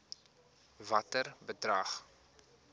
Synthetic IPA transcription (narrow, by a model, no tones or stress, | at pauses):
vɐtərbədrɐχ